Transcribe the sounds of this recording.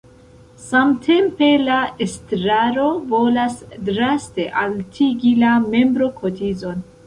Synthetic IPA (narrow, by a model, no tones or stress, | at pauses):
samtʰe̞mpe̞laestɾaɾo̞vo̞lasdɾaste̞ʔaltʰiɡilame̞mbɾo̞kʰo̞tizo̞n